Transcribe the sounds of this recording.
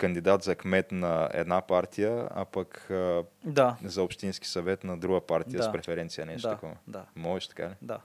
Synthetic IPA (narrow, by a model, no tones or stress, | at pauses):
kɐnd̪id̪at̪zɐkmɛt̪nɐɛ̰d̪napaɾt̪ʰijəa̰pɐk | d̪azɐopʃt̪insk̟i̥sɐvɛt̪nɐd̪ɾuɡəpaɾt̪ijəspɾɛfɛɾɛnt̪sijənɛʃt̪t̪ːkɔmd̪amɔʒɛʃt̪ɐ̥ka̰lid̪a